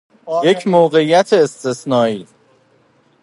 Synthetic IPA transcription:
je̞cʰmoːɣeijæt̪ʰeːst̪esnɒːiː

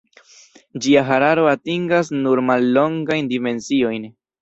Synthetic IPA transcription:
d͡ʒiaɦaɾaɾo̞atiŋɡas̬nuɾmalːo̞ŋɡajndime̞nsio̞jn

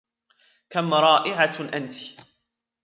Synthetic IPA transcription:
kamɾˤɑːʔɪʕaʔant̪i̥

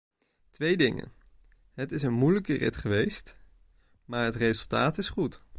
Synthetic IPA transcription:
tʋejdɪŋə̰n | ɦətɪsənmujləkərɪ̰tχəʋejst | maːɹɦətrejzəlˠtaːtɪsχut

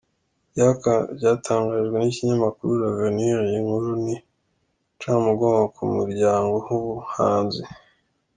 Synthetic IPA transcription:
jakavɟaːtʰaːŋɡaːʒɡwe̞niciɲamakuɾuɾaveniɾjiŋhuɾuni | t͡ʃamuɡoːmɡakʰumuɾɟaːŋɡo̞huβuhaːnzi

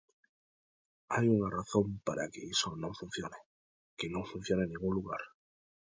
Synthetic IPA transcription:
ajuŋaraθõmpaɾa̰kɪisonõŋfun̟θjone | kɪnõŋfun̟θjonenːẽŋɡuŋluɣa̰ɾ

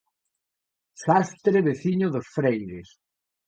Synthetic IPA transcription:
sast̪ɾeβeθiɲʊðosfɾejðɪs

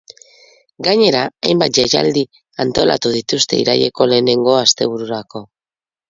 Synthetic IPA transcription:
ɡaɲe̞ɾaajmbat̪̚ʝaja̰ld̪i | ant̪o̞la̰t̪uð̞it̪ust̪e̞ḭɾa̰je̞ko̞le̞ːne̞ŋɡo̞ast̪e̞β̞uɾuɾako̞

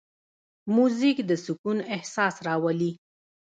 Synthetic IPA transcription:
muzikd̪əsukunɪhsɑsɾɑwali

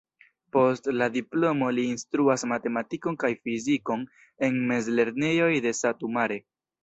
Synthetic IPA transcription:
po̞stladiplo̞mo̞liːnstɾuasmate̞matiko̞nkajfiziko̞n | e̞nme̞zle̞ɾne̞jo̞jde̞satumaɾe̞

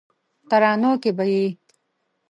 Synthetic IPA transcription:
t̪aɾɑːnokebaji

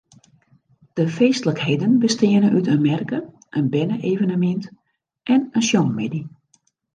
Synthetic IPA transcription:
d̥əfeːstələkhejdənbəstɪənəʔytʰənmɛrkə | ʔənbɛnəʔeːvənəmɪnt | ʔɛnənsjonmedi

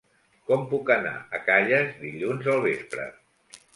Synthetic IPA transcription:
kɔmpukəna̰əkaʎəzd̪iʎunzəlˠβ̞espɾə̰

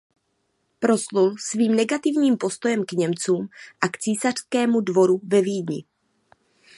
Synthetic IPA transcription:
pɾo̞slulsviːmnɛɡat̪ɪvɲiːmpo̞st̪o̞jɛmkɲɛmt͡suːmʔakt͡siːsar̝̥skɛːmudvo̞ɾuvɛviːdɲɪ̰

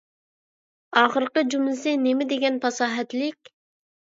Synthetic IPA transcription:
ɑːχəɾqəd͡ʒumlɪsɨnemɪd̪eɡʲɛnpʰɑsɑːɦɛt̪lɪkʲ

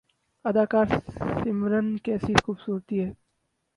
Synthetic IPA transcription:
ɐd̪aːkaːɾsɪmɾənkɛːsixuːbsuːɾt̪iɦɛː

